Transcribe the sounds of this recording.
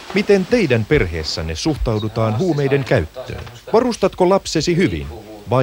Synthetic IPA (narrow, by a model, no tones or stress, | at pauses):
mit̪e̞nt̪e̞jdænpe̞rɦe̞ːsːænːesuht̪ɑwdut̪ɑːnɦuːmejde̞ŋkæyt̪ːø̰ːn | ʋɑrust̪ɑt̪kolɑpsesiɦyʋḭn | ʋɑ